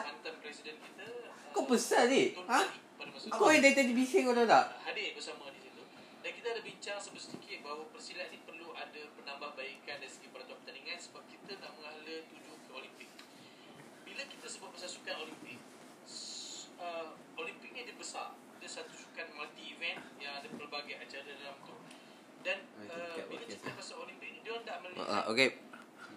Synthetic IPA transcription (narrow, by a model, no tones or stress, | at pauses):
ant̪anpɾɛsidənkit̪əkobəsadit̪onãapadamasaakojadait̪adibisikot̪ot̪aʔhadɪbəsamədisit̪u | dankit̪aːdabiɲt͡ʃaŋsəbət̪sət̪ikɪt̪̚baɦawapərsilaʔnipərluadəpənambahbaikandaisəɡipaɾat̪uanpə̥t̪aniŋansəbap̚kit̪ənaʔməŋalət̪ud͡ʒukəolimpɪk̚ | bilakit̪əsəbuat̪̚bəsasukanolimpɪk̚ | ə | olimpɪk̚ɲadəbəsa̰r | adəsat̪usu̥kan̚malt̪iːvɛnjaŋadapərbaɡajat͡ʃadadalamt̪u | danəbilat͡ʃukat̪ɾasaolimpɪk̚dɔndaʔməl̰ʔʔo̰ke